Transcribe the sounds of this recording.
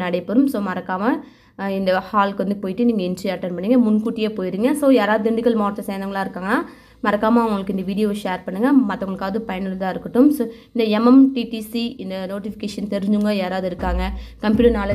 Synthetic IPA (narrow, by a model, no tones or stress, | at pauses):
nɐɽɛɪpːɐɾɯmsoːmɐɾɐkːaːmɐ | ɪnd̪ɐhaːlkʋɐnd̪ɯpoːjɪʈːɯniːŋɡɐɪnʈɾiɐɾʈːɐnpɐɳːiːŋɡɐmʊnkuːʈːɪjeːpoːjɪɾiːŋɡɐsoːjaːɾaːʋðɯɪɳɖɪkːɐlmoːɾt̪ːɐsɛjnɐŋɡɐɭaːɪɾɯkːaːŋɡɐnːaː | mɐɾɐkːaːmɐʋʊŋɡɐɭɯkːɪnd̪ɐʋiːɽɪjoːʂeːɾpɐɳːɯŋɡɐmɐt̪ːɐŋɡɐɭɯkːaːʋɐðɯpɐjɐnɪlt̪ãːɪɾɯkːɯʈːɯmsoːɪnd̪ɐɛmɐmʈiʈisiɪnd̪ɐnoːʈɪfɪ̥keːʂɐnt̪ɛɾɯɲd͡ʒɯŋɡɐjaːɾaːʋðɯɪɾɯkːaːŋɡɐkɐmpjuːʈɐɾnaːlɐ